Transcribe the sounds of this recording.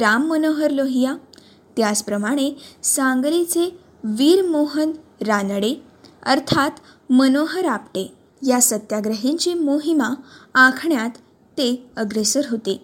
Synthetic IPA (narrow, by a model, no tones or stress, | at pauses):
ɾamːənoɦəɾloɦija | t̪jat͡spɾəmaɽ̃esãŋɡlit͡se | ʋiːɾmoɦənɾanɽe | əɾt̪ʰat̪ | mənoɦəɾapʈe | jasət̪jaɡɾəɦiɲt͡ɕiːmoɦimaãkʰɳjat̪ː | eəɡɾesəɾɦot̪e